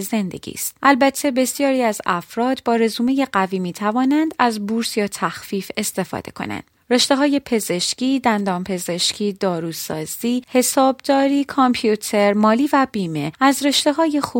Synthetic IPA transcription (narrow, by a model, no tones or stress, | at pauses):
ze̞nd̪e̞̰ɟ̥ḭːst̪ʔælbæt̪ʰːe̞be̞sjɒːɾiːæzæfɾɒːd̪bɒːɾe̞zuːmeje̞ɢæviːmiːt̪ʰævɒːnænd̪æzbuːɾsjɒːt̪ʰæxfiːfe̞st̪e̞fɒ̰ːd̪e̞̰kʰo̞̰næ̰nd̪̥ | re̞ʃt̪e̞ɦɒːje̞pʰe̞ze̞ʃciːd̪ænd̪ɒːmpʰe̞ze̞ʃcʰiːd̪ɒːɾuːsɒ̰ːz̥iːhe̞sɒːbd̪ɒːɾiːkʰompʰjut̪ʰe̞ɾmɒːliːvæbiːme̞æzre̞ʃt̪e̞ɦɒːje̞xu